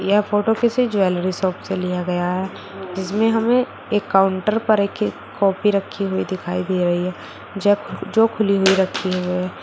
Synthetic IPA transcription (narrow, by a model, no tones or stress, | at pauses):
jɛɦfoːʈokesid͡ʒʊɛːlɾisɔːpselijaɡɐjaɦɛː | d͡ʒɪsmẽɦɐmẽ | ekːaːʊ̃ɳʈəɾpɐɾeːk | kɔːpiɾɐkʰːiɦuid̪ɪkʰaːib̪ʱiɾɐɦiɦɛː | d͡ʒɛd͡ʒoːkʰʊliɦʊiɾɐkʰːiɦoɦɛː